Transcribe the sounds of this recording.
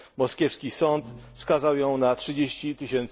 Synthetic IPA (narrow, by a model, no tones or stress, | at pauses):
mɔskʲɛfskʲisɔnt̪fskazawjɔ̃w̃natʂɘd͡ʑeɕt͡ɕit̪ɘɕɛnt̪